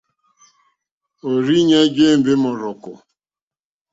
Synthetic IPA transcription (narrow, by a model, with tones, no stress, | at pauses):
o˨ɾi˦ɲe˦d͡ʒe˦m̩˨be˦mʊ˨ɾʊ˨kʊ˨